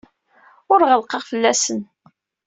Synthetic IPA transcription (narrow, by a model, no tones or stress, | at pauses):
ʊɾʁəlqɑʁfəlːæsən